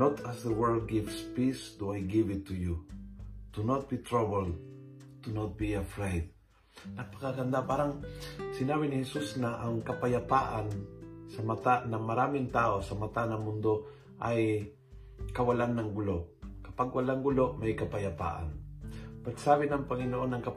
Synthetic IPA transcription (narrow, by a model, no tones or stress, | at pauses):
not̪ʰasðəwɛɹd̪̚ɡɪvspisd̪uajɡɪvɪt̪ʰːuju | t̪unot̪̚bit̪ɹabɛld̪ | t̪unot̪̚biɐfɹejd̪̚ | nɐɡ̚pɐ̥kaɡɐnd̪apaːɾɐŋsɪnaːbɪnɪhɛsusnɐʔɐŋkɐpɐjɐpaʔɐnsɐmɐt̪anɐmɐɾaːmɪŋt̪aːʔo̞sɐmɐt̪anɐŋmʊnd̪o̞ | ʔɐj | kɐwɐlanːɐŋɡʊloʔkɐpaɡ̚wɐlaŋɡʊlo̞ʔmɐjkɐpɐjɐpa̰ːʔa̰npɐɡsaːβɪnɐŋpɐŋɪnoʔo̞nɐŋkɐ